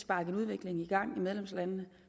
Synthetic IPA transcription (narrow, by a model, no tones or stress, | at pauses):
sb̥ɑ̈ːɡ̥əð̩ˠuð̞ˠʋe̝ɡ̥le̝ŋiɡ̥ɑ̈ŋ̰imeðˠlemslænnə